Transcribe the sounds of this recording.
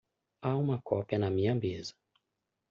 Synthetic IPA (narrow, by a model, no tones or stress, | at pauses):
aũmɐkɔpiɐnɐmĩɲɐmezɐ̥